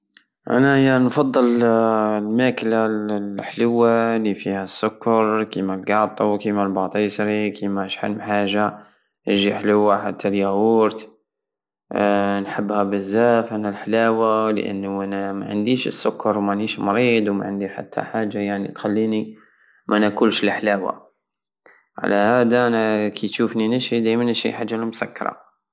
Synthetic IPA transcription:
ʔæ̰næhjanfɑd̪ˤːɨl | lmæklalħlʊwːalifihæsːʊkːɑɾˤkimælɡɑʕt̪ˤuwkimælbɑʕt̪ˤiːsɾikimæʃħa̰lmħaːʒa | ʔʒiħlʊwːaħat̪ːæljæwuɾt̪ | nħəbːhæbəzːæfʔænælħlæwal̰ʔə̰nːʔænæma̰ʕə̰nd̪iʃəsːʊkːɑɾˤwmæʕniʃmɑɾiːd̪wma̰ʕənd̪iħa̰t̪ʰːa̰ħaʒːajaʕnḭt̪xælːiːni | mʔænækuːlʃlħlawa̰ | ʕa̰læhæd̪aʔænakʰit̪ʃufninæʃid̪æjmænːʃḭħaʒːalmʊsækːɑɾˤɑ̰

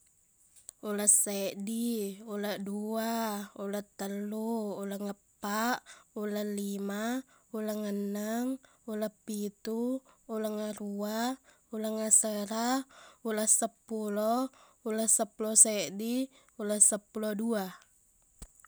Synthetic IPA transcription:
ulasːaʔdiulaʔduaulat̪ːəlːuːlaŋapːaʔulalima | ulaŋənːaŋ | ulapːit̪uːlaŋarua | ulaŋasəɾaulasːapːulɔulasːapːulɔseʔdi | ulasːapːulodua

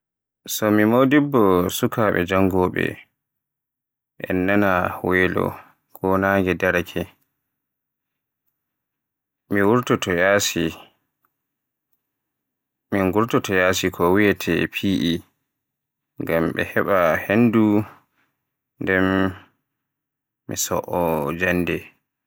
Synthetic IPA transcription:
sɔmimodibːɔsukaɓɛ̰d͡ʒaŋɡɔːɓɛ̰ | ʔɛ̰nːanahwɛlɔ̰ | kʰɔnaːŋɡɛdaɾakʰɛ | miwuɾtɔtɔjaːsi | miŋɡuɾtɔtɔjaːsikʰɔwijɛtʰɛ̰pʰiʔi | ŋɡamɓɛ̰hɛɓahendu | ndɛm | isɔ̰ʔɔd͡ʒandɛ

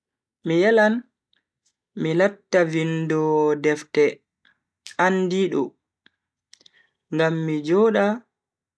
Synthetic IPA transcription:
mijɛlan | milatːavindɔdɛftɛ | andiɗɔ̰ | ŋɡamːid͡ʒɔːɗa

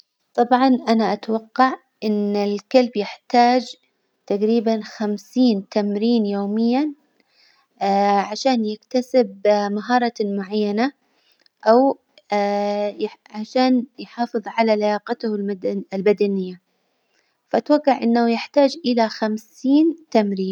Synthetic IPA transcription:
t̪ˤɑbʕɑnʔanaʔat̪awɑqːɑʕ | ʔɪnɪlkalbjɪħt̪aːd͡ʒ | t̪aqɾiːbanxamsiːnt̪amɾiːnjoːmɪjːan | ʕaʃaːnjɪkt̪asɪbmaɦɑːɾˤɑmʊʕajːana | ʔaw | jʕaʃaːnjħɑːfɨðˤʕalalajɑːqɑt̪hlɪlbad̪anɪjːa | faʔat̪waɡːɑʕʔɪnːawjɪħt̪aːd͡ʒʔɪlaxamsiːnt̪amɾiːn

